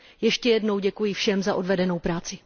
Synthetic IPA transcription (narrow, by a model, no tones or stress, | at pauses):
jɛʃcɛjɛdno̞wɟɛkujɪfʃɛmzaʔo̞dvɛdɛno̞wpɾaːt͡sɪ